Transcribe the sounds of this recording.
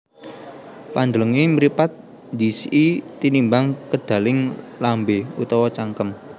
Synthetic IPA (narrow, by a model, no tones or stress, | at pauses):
pand̪ələŋiməɾipat̪̚ | nd̪isiʔit̪inimbaŋkəɖ̥a̤lɪŋlambeut̪ɔwɔt͡ʃaŋkəm